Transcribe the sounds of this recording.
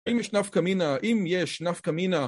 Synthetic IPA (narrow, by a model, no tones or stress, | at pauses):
imjɛʃnafkaminaʔimjeʃnafkamina